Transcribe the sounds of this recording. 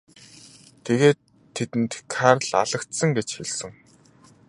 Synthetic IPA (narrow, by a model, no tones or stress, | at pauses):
t̪ʰeɣeːt̪ʰː | et̪ɘ̆nt̪kʰarɮa̰ɮə̆kt̪sə̆ŋɡet͡ɕxeɮsɘ̆ŋ